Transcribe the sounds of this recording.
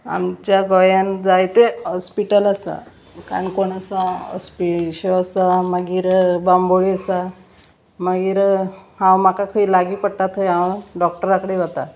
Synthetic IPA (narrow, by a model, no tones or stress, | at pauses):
a̰mt͡ɕjaɡɔjand͡zajt̪eɦɔspiʈələsa̰ | ka̰ɾəɳkoɳasãɦɔ̰spiɕoasaməɡiːɾbamboɭiəsa | məɡiːɾhãwmakakʰəiːlaɡiːpəɽt̪at̪ɦəjawɖɔk̚ʈəɾakəɽeʋət̪a̰